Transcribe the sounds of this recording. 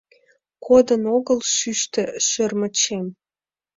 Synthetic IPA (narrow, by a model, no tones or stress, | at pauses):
kʰod̪ənoɣəlʃyʃt̪ĕʃørmə̆t͡ɕem